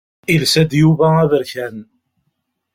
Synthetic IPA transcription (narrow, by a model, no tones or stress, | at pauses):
ilsæd̪juvææðəɾçæn